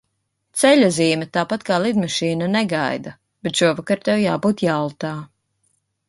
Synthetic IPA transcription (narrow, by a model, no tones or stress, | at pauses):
t̪sɛʎʲaziːmʲɛt̪aːpat̪kaːlˠid̪maʃiːnanɛɡajd̪a | b̥et̪ʃuɔvakaɾt̪ɛwjaːbuːt̪jalˠt̪aː